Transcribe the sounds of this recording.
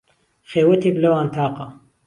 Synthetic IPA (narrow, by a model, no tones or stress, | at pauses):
xeːwɐt̪iklɐwaːnt̪ʰaːqɐ